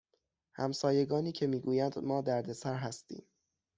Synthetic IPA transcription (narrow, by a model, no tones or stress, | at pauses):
hæ̰msɒːje̞ɡɒːniːcʰe̞miːɡuːjænd̪mɒːd̪æɾd̪e̞sæɾɦæst̪ḭːm